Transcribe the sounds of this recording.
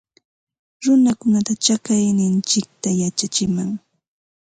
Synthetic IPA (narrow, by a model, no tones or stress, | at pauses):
ɾʊnakʊnat̪at͡ʃakajnɪnt͡ʃɪk̚t̪ajat͡ʃat͡ʃɪmaŋ